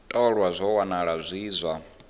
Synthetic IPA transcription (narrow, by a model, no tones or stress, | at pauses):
tʼɔɺwazʷɔwanaɺazʷiːzʷa